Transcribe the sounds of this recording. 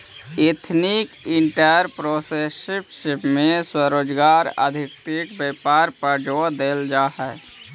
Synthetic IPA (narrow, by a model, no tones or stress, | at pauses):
et̪ʰnikɪɳʈəɾpɾoːsesɪpʃɪpmẽswəɾoːd͡ʒɡaːɾə̰d̪ʱɪkt̪ikbeːpaːɾpəɾd͡ʒoːd̪eːld͡ʒaːɦɛ